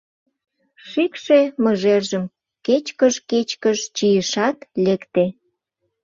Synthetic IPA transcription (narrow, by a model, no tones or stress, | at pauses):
ʃikʃeməʒerʒəm | ket͡ɕkəʃket͡ɕkəʃt͡ɕijəʃɑt̪lekt̪e